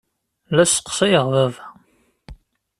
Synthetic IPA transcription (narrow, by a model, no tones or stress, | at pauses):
læsə̥qːsˤæjəʁðævæ